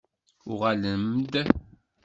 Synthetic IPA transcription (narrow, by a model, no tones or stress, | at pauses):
uʁaləmd̪